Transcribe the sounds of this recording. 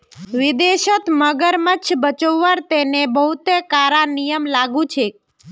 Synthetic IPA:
ʋid̪eʃət̪məɡəɾmət͡ʃʰbət͡ʃəʋːəɾt̪enebəɦut̪ekaɾanijəmlaɡũt͡ʃʰe

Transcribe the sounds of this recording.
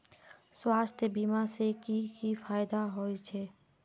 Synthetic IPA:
swaːst̪ʰjəbiːmasekikifʰaːjd̪aɦoit͡ʃʰeː

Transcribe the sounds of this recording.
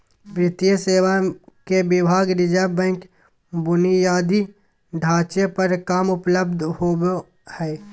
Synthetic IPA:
bɾɪt̪ijəseːwakebɪbʱaːɡɾɪd͡ʒaːbɛ̃ːŋk | bʊnijaːd̪i | ɖʱaːt͡ʃepəɾkaːmʊpləbd̪ʱhoːo | hɛː

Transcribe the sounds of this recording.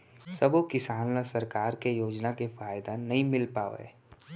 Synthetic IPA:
sɐbokɪsaːnlasɐɾkaːɾkejoːd͡ʒnakefaːjd̪anɐɦĩmɪlpaːʋḛː

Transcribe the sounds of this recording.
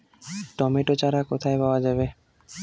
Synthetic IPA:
ʈɔmeʈot͡ɕaɾakot̪ʰaepaoad͡ʑabe

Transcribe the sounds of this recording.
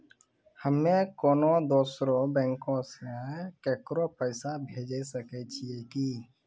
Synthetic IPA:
həmːẽkoːnod̪oːsɾõbɛ̃ːŋkõsekeːkɾopəɪsabʱeːd͡ʒesəket͡ʃʰiekiː

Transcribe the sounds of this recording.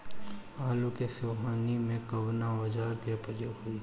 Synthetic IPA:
aːlokeseːɦaːnimẽkɐʋnaʋɐd͡ʒaːɾkepəɾjoːɡɦuiː

